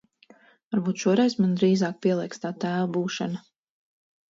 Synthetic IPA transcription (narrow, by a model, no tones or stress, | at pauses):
vaɾbuːt̪ʃuɔɾɛjsmand̪ɾiːzaːk̚pʲiɛlˠiɛkst̪aːt̪æːlabuːʃana